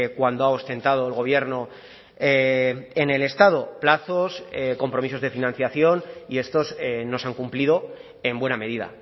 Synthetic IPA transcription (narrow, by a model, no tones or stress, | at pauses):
kwand̪oaost̪e̞nt̪að̞oelɣo̞β̞je̞ɾno̞ | eene̞le̞st̪að̞o̞plaθo̞sko̞mpɾo̞miso̞zðe̞finãn̟θjaθjo̞nie̞st̪o̞sno̞saŋkumplið̞o̞ | e̞mbwe̞name̞ðiða̰